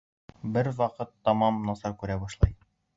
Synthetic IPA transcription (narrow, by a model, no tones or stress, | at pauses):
bɘɾwɑqɤt̪ːɒmɑmnɒsɑɾkʉɾæbɒʃlˠɑj